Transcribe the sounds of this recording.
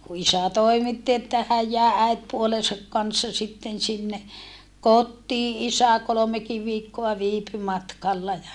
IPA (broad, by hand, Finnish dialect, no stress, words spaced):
ku isæ toimitːi etːæ hæj jæˑe æitpuolesɑk kɑnsːɑ sitːen sinːe kotːiː isæ kolomekiʋ ʋiːkːoɑ ʋiːpy mɑtkɑlːɑ jɑ